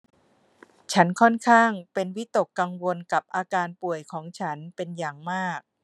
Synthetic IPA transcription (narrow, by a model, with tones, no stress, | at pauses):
t͡ɕʰa˦˥nkʰɔ˥˩nkʰaː˥˩ŋpe˧nwi˦˥t̪o˨˩kːa˧ŋwo˧nka˨˩p̚ʔaː˧kaː˧npu˨˩əjkʰɔː˩˦ŋt͡ɕʰa˦˥npe˧njaː˨˩ŋmaː˥˩k̚